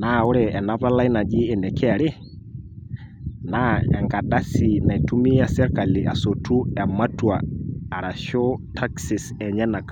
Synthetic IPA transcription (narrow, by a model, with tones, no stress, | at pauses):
na˦˨ʊ˦ɾɛ˨ɛ˨na˦pa˦la˦i˦na˨d͡ʒi˦ɛ˨nɛ˨kɛ˦a˨ɾɪ˦ | na˦ɛ̰˨ŋɡa˨da˦si˨na˨i˨tu˦mi˦a˨sɛ˦ɾka˨lɪ˨ʔa̰˨so˨tu˦ɛ˨ma˦tu˨aː˨ɾa˨ʃɔ˦tʰa˦ksi˨sɛ˨ɲɛ˦na˨ka˨